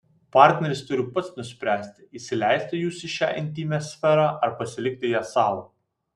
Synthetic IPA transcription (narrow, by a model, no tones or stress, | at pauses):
pɑˑɾʲt̪ʲnʲɛɾʲɪst̪ʊɾʲɪpɐt̪snʊsʲpʲɾʲæːsʲt̪ʲɪisʲɪlʲɛˑɪsʲt̪ʲɪjuːsɪʃʲæ̰ːʔɪnʲt̪ʲimʲɛsʲfʲɛɾɑːʔɐɾpɐsʲɪlʲɪk̚ʲt̪ʲɪjæːsɑːlˠo